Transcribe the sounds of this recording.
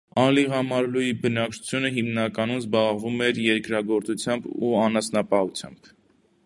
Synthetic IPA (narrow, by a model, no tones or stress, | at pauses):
ɑliʁɑmɑɾlujibənɑk̚t͡ʃʰu̥t͡sʰjunəɦimnɑkɑnumzbɑʁvumɛɾjɛɾkɾɑɡɔɾt͡sut͡sʰjɑmbuɑnɑsnɑpɑhut͡sʰjɑ̰mb̥